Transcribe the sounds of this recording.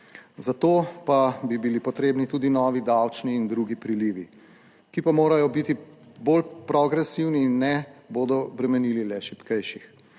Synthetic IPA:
zat̪oːpabibilipɔt̪ɾeːbnit̪ud̪inɔːʋid̪awt͡ʃniːnd̪ɾuɡipɾiliːʋḭ | kipamoːɾajɔbit̪i | boːlpɾɔɡɾɛsiwniːnːɛboːd̪ɔbɾɛmɛniːlilɛʃipkɛjʃix

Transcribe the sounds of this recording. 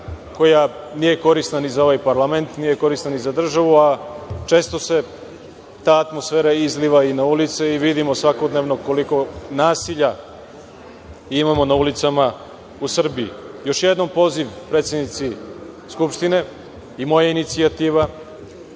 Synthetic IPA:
ko̞ja | nije̞ko̞ɾisnanizao̞ʋajpaɾlˠame̞nt̪nije̞ko̞ɾist̪nanizad̪r̩ʒaʋuat͡ʃe̞ːst̪o̞se̞ | t̪aːt̪mo̞sfe̞ːɾaizliʋainaulit̪seiʋid̪imo̞sʋako̞d̪neʋno̞ko̞liko̞naːsiʎa | imamo̞naulit̪sama | usr̩biḭjo̞ʃjed̪no̞mpo̞ziʋpɾet̪sjed̪nit̪si | skupʃt̪ine̞ | imo̞jainit̪siat̪iːʋa

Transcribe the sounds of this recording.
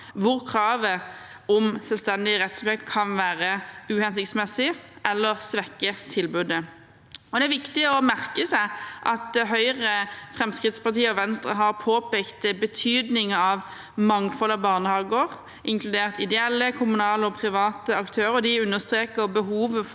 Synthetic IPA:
ʋʊʁkʰʁɑːʋə | ɔmsɛlst̪ɛnd̪ɪəʁɛt̪spɛkt̪kʰɑnʋæːʁəʉːhɛns̬ɪkt̪smɛsɪʔɛlːəʁsʋɛkːət̪ʰɪlbʉd̪ə | ɔd̪ɛæʋɪkt̪ɪɔmæʁkəsæɪʔɑt̪̚d̪ɛɦœʏʁəfʁɛmskʁɪt̪spɑʁt̪iːəɔʋɛnst̪ʁəɦɑʁpʰoːpʰekt̪bət̪ʰyːd̪nɪŋəɑʋ | mɑŋfɔlːəbɑːʁnəhɑːɡəʁ | ʔɪŋkʰlʉd̪eːʁt̪ɪd̪ɛɛlːəkʰʊmʉnɑːləɔpʰʁɪʋɑːt̪əɑkt̪ʰøːɾəɔd̪ɪʉnːəʁst̪ʁeːkəʁbəɦuːʋə

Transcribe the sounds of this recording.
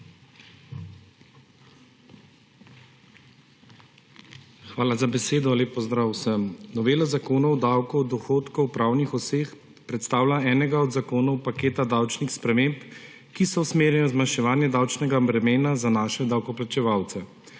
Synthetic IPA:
xʋaːlazabɛseːd̪ɔleːpːɔzd̪ɾaːwsəmnɔʋeːlazakoːnɔwd̪awkɔwd̪ɔxoːt̪kɔwpɾawnixɔseːx | pɾɛt̪st̪aːwlaɛːnɛɡaɔd̪zakoːnɔwpakeːt̪ad̪awt͡ʃnixspɾɛmemp | kisɔwsmeːɾjɛnɔzmanʃɛʋaːnjɛd̪aːwt͡ʃnɛɡabɾɛmeːnazanaːʃɛd̪awkɔplat͡ʃɛʋawt̪sɛ

